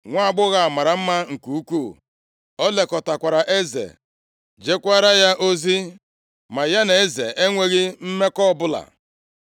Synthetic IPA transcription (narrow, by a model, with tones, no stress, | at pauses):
ŋʷa˦a˦˨ɡ͡bʊ˦ɣa˨a˨ma˨ɾa˨m̩˦ma˦ŋ̩˨ku˨u˦kʷu˦˨ | ɔ˦le˨kɔ˨ta˨kʷa˨ɾa˨ʔe˦zḛ˨ | d͡ʒe˦kʷa˦ɾa˦ja˦ʔo˦zi˦ | ma˨ja˦ne˨˦zḛ˨ʔe˦ŋʷe˦ɣɪ˦m̩˦me˦kɔ˦bʊ˦la̰˨